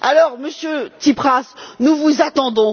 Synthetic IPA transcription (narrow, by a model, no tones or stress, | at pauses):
alɔʁməsjøt̪ipχasnuvuzat̪ɑ̃d̪ɔ̃